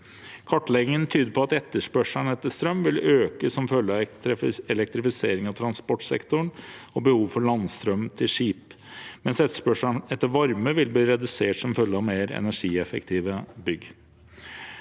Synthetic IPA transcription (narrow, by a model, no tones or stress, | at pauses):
kʰɔʈːlɛɡɪŋənt̪ʰyːd̪əɾpʰɔɑt̪ɛt̪ːəʂpœʂəɳɛt̪ːəʂt̪ɾœmʋɪløːkəsɔmfœlːəɑɛlɛk̚t̪ɾɪfɪseːɾɪŋɑt̪ʰɾɑnspɔʈsɛ̰kt̪ʊɳɔbəhuːʋfɔɭɑnst̪ɾœmt̪ʰɪlʂiːp | mɛnsɛt̪ːə̥ʂpœʂəɳɛt̪ːəɾʋɑɾməʋɪlbliːɾɛd̪ʉseːʈsɔmfœlːəɑʋmeːɾɛ̰næʂiːɛfə̰kt̪ʰiːʋəbʏɡ